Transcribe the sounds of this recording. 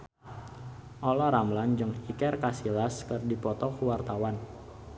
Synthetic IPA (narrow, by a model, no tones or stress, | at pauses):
ʔɔlɔɾamland͡ʒəŋikɛrkasilaskərdipɔt̪ɔkuwart̪awan